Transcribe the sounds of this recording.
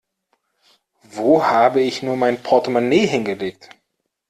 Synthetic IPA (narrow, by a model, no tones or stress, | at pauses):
voːhaːbəɪçnuːɐmaɪnpʰɔɐtəmoneːɦɪnɡəleːk̚t